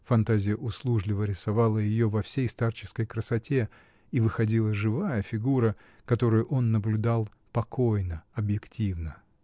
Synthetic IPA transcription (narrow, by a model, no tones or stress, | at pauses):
fɐnt̪azʲɪjəʔʊslˠuʐlʲɪvəɾʲɪsɐvɑlˠəjɪjo̞vɐfsʲejst̪art͡ɕɪ̥skəjkɾəsɐtʲe̞ | ivɨxɐdʲilˠəʐɨvajəfʲɪɡuɾə | kɐt̪o̞ɾʊjʊʔo̞nːəblʲʊd̪ɑlˠ | pɐko̞jnəɐbjɪktʲivnə